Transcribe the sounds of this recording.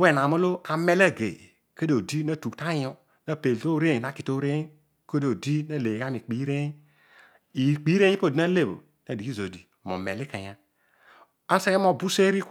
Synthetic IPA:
we˦˨na˨mo˦lo˦a˨me˦la˦˨ɡḛ˨ | ke˦do˨di˦na˦˨tu˨kta˦jo˦ | na˦pe˨lto˦ɾe˦˨na˦˨ki˨to˦ɾe˦ | ko˦do˨di˦na˦˨le˨ɡa˦mi˨k͡pi˨˦ɾe˦ | i˨k͡pi˨˦ɾe˦i˦po˦˨di˨˦na˦le˦˨bo̰˨ | na˨di˨ki˦zo˨di˨mo̰˨mḛ˨li˦ka˨ja˦ | a˦se˦e˦mo˦˨bu˦se˦ɾi˦k

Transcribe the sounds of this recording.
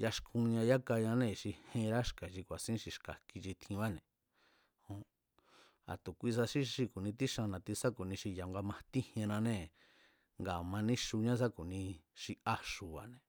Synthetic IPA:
ja˧ʃkʰũ˧ɲã˧ja˦ka˧ɲã˧˦nẽ˦˨ʃi˧hẽ˧ɾa˦ʃka˨ʃi˧kʷa˨sĩ˦ʃi˧ʃka˨ki˧t͡ʃi˧t̪ʰĩ˧βa˦nẽ˨ | hõ˧ | a̰˨t̪u˨kʷi˧s̬a˧ʃi˦ʃi˧ku˨nĩ˧t̪i˦ʃã˧nã˧t̪i˧sa˦ku˨nĩ˧ʃi˧ja˨ŋɡa˧mã˧t̪i˦hẽ˧nã˧nẽ˦˨ | ŋɡa˨mã˧nĩ˦ʃu˧ɲã˦s̬a˦ku˨nĩ˧ʃi˧a˧ʃu˨βa̰˨nẽ˨

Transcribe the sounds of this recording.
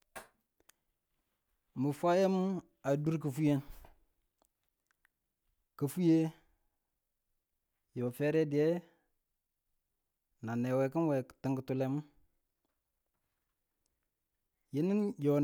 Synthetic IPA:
mə˨fʷa˦je˦mu˦ | a˨du˦ɾk̬ə˨fu˦je˦n | kə˨fu˦je˦ | jo˨fɛ˦ɾɛ˦di˨e˦ | na˨ne˨we˨kə˦nwɛ˨ti˨ŋɡə˨tu˨le˦mu˦ | ji˦ni˦njo˨n

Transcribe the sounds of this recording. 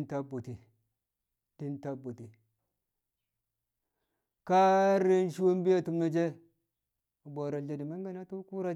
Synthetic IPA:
nta˦bu˨ti˨ | d̥i˦nta˦bu˨ti˨ | ka˦ɾe˦n˦ʃi˦wo˦m˦bi˦ja˨tu˦m˦na˨d͡ʒe˦˨ | bʷa˨ɾa˨ɮa˨di˨ma˦ŋ˦ɡa˦na˦tu˦ku˦ɾa˦

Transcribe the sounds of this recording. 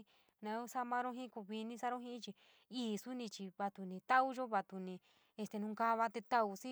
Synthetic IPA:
nã˨˧o˦sa˦mã˧ɾõ˦ɦĩ˦ku˧˨βi˧nĩ˧sa˦ɾõ˦ɦĩ˦t͡ʃi˧ | iː˦˨su˦nĩ˧t͡ʃi˧βa˧t̪u˧nĩ˧t̪a˦u˦ʒo˦βa˧t̪u˧nĩ˧ | e˧st̪e˧nũ˧ka˦˧βa˧t̪e˧t̪a˦u˧sĩ˦

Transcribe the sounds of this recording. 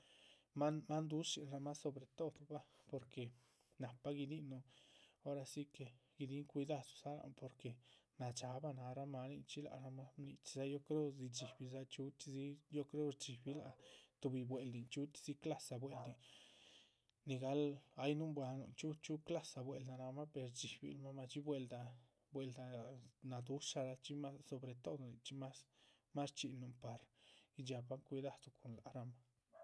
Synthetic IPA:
ma˦ma˦nd̪u˦si˨nɾa˧ma˦so˨bɾe˨t̪o˦d̪ba˦po˨ɾke˨ | na˨pːa˦ɡi˧d̪i˦no˧o˦ɾa˧si˦ke˨ɡ̥i˧d̪i˦ŋkʷi˧d̪a˦˧tsa˦la̰˨po˨ɾke˨na˨t͡ʃa˨˧ba˧na˧ɾa˦ma˧ni˧t͡ʃi˦la̰˧˨ɾa˧ma˦nḭ˧t͡ʃi̥˧za˦jo˦kɾo˦zi˧t͡ʃi˨bi˧za˦t͡ʃu˦t̪i˧zi˦jo˦kɾo˦ɾt͡ʃi˨bi˦la̰˧t̪u˧bi˧bwe˨ld̪i˨nt͡ʃu˦t̪z̥i˦kla˦sa˨˧bwe˨˧ld̪i˨ | ni˧ɡa˦la˦jnu˦mbwa˧nṵ˨t͡ʃu˦t͡ʃu˦kla˦sa˨bwe˨ld̪a˧na˧ma˦pe˨ɾd͡ʒi˨bḭ˧˦lma˦ma˧t͡ʃi˦bwe˧ld̪a˧ | bwe˧ld̪a˧na˨d̪u˦ʃa˧ɾa˧t͡ʃi˦ma˦so˨bɾe˨t̪o˦d̪ni˨t͡ʃi˦ma˦s | ma˦st͡ʃi˧nu˨mpa˨ɾi˦d͡ʒa˧ba˦ŋkʷi˧d̪a˧d̪u˧kʰo˨nla̰˨ɾa˧ma˦

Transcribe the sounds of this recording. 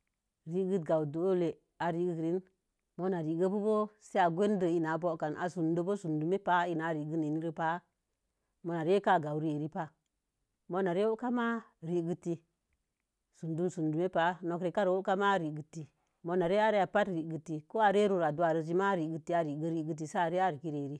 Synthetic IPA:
ɾi˦ɡɨ˦t̚ɡa˨wdo˨˦le˨ | a˨ɾi˦ɡɨ˦kɾi˦n | mo˦na˨ɾi˨ɡə˦bu˦bo˦se˦a˨ɡʷe˦n˦də˨i˦na˨˦bo˦ka˨nʔa̰˨su˨ndo˦bo˦su˨ndu˨me˦pa˦i˦na˨˦ɾi˨ɡɨ˦ne˨ni˦ɾə˦pa˨˦ | mo˧˨na˨ɾe˦ka˦ɡa˨wɾi˦e˨ɾi˦pa˦ | mo˦na˨ɾe˦o˦ka˦ma˦ɾi˨ɡɨ˦ti˧ | su˨ndu˦msu˨ndu˨me˦pa˨˦no˨kɾe˨ka˦ɾwo˦ka˦ma˦ɾi˨ɡɨ˨tːi˨ | mo˧na˨ɾe˦a˦ɾe˦a˨pa˦tɾi˨ɡɨ˨tːi˨ko˦a˨ɾe˦ɾu˦˨ɾa˨du˦a˨ɾə˨d͡ʒi˦ma˦ɾi˨ɡɨ˦ti˦a˨ɾi˨ɡə˦ɾi˨ɡɨ˦t̬i˨sa˦a˨ɾe˦a˦ɾi˨ki˦ɾe˨ɾi˦

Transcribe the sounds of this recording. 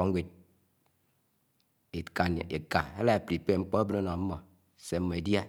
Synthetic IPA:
ɔ˨˦ŋ˦we˦t̚ | e˨ka˨n̰˨e˨ka˨e˦la˦e˨pɾi˨pe˦˨ŋ͡m̩˦k͡pɔ˦a˦bɨ˦no˦nɔ˨m̩˦mɔ˨ | se˨m̩˦mɔ˨e˨dja˦

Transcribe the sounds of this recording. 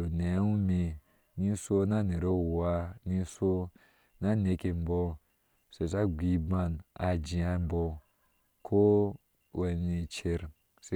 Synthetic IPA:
o˨ne˨˦u˦mi˧ | ni˦so˦na˦˨ne˨ɾo˦˨wa˦ni˦so˦ | na˦ne˨˦ke˧m̩˦bɔ˧ | se˨sa˦ɡʷi˨˦ba˦na̰˨d͡ʒi˨a˧˦m˦bɔ˧ | kʰo˦ | we˨ni˨t͡ʃe˧ɾ | se˦

